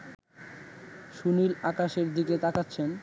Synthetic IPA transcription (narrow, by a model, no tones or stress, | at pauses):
ʃunilakaʃeɾd̪iket̪akatːɕʰen